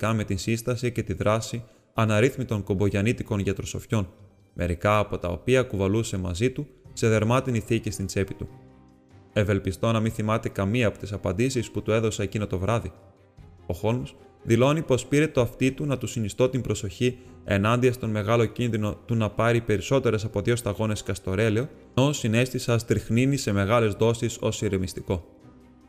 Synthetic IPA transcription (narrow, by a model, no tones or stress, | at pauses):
kɐme̞t̪insinst̪ɐsice̞t̪iðɾʔɐsi | ɐnɐɾiθmit̪o̞ŋko̞mbo̞ʝɐnit̪iko̞nʝɐt̪ɾo̞so̞fço̞n | me̞̰ɾikɐːpo̞t̪ɐo̞̰piɐkuvɐluse̞mɐzit̪use̞ðe̞ɾmɐt̪iniθicist̪int͡se̞pit̪u | e̞ve̞lpist̪o̞nɐminθimɐt̪e̞kɐmiɐːpo̞t̪isɐpɐnd̪isisput̪ue̞ðo̞sɐecinot̪o̞vɾɐði | o̞xo̞lms | ðilo̞nipo̞spiɾe̞t̪oɐft̪it̪unɐt̪usinist̪o̞t̪imbɾo̞so̞çie̞̰nɐnd̪iɐst̪o̞nme̞ɣɐlo̞cinðino̞t̪unɐpɐɾipe̞ɾiso̞t̪e̞ɾe̞sɐpo̞ðʝo̞st̪ɐɣo̞ne̞skɐst̪o̞ɾe̞leo̞ | osine̞st̪isɐst̪ɾixninise̞me̞ɣɐle̞zðo̞siso̞siɾemist̪iko̞